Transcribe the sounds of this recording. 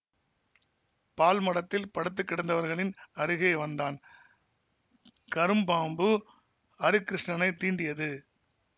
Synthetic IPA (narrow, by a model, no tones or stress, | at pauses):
paːlmɐɽɐt̪ːɪlpɐɽɐt̪ːɯkːɪɽɐnd̪ɐʋɐɾɣɐɭɪnɐɾɯɣɪeɪʋɐnd̪aːn | kɐɾɯmbaːmbɯ | ɐɾɯkːɾɪʂɳɐnɐɪt̪ːiːnd̪ɪjɐðɯ